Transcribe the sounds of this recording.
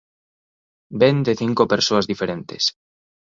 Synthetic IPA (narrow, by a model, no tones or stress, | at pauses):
bend̪eθiŋkopeɾsoazðifeɾent̪es